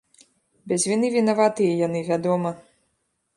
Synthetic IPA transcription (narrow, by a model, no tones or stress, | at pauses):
bʲɛzʲvʲinɨvʲinavat̪ɨjɐjanɨvʲad̪ɔmɐ